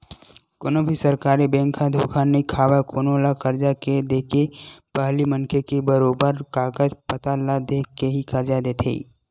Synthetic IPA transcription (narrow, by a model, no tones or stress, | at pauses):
konobʱisɐɾkaːɾibɛ̃ːŋkʰãd̪ʱoːkʰanɐikʰaːʋakoːnoːlakəɾd͡ʒaked̪eːkepəɦlimə̃ŋkʰekebəɾoːbəɾkaːɡəd͡ʒpət̪alad̪eːkeɦikɐɾd͡ʒad̪eːt̪ʰḛi